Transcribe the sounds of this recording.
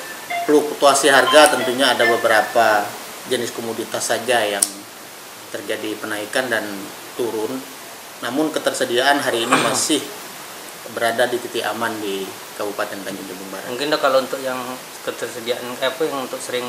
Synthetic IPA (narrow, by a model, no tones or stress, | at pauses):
plukt̪uasiɦarɡat̪ənt̪uɲaːdabəbəɾapa | d͡ʒənɪskomudit̪asːad͡ʒajaŋ | t̪ərd͡ʒadipənaikandan | t̪uɾʊnː | amʊnkət̪ərsədiaanɦaɾiːnimasɪh | bəɾadadipit̪iamandi | kabupat̪ɛnt̪aɲd͡ʒuŋd͡ʒubuŋbaɾa̰muŋkɪndɔkalaount̪ʊkjaŋ | kət̪ərsədiaʔankajapəjaŋunt̪ʊk̚səɾɪŋ